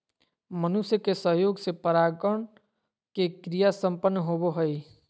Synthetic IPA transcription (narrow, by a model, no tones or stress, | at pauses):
mənusjəkesəɦjoːɡsepəɾaːɡəɳ | kekɾijasə̃mpənːɦoboɦəi